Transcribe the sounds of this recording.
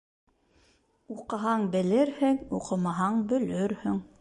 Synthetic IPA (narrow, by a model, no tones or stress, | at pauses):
uqɑ̆ɦɑɴbɘ̆lɘɾhɘŋuqɤ̆mɑɦɑɴbɵ̆lɵɾhɵŋ